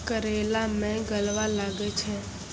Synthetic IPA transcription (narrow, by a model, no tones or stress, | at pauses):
kəɾelamɛ̃ɡəlʋalaɡet͡ʃʰe